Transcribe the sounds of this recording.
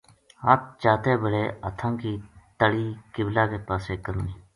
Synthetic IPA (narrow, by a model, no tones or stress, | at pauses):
ɦaːt̪̚t͡ʃaːt̪eːbəɽeːət̪ʰãːkiːt̪əɽiːkɪblaːkeːpaːseːkəɾniː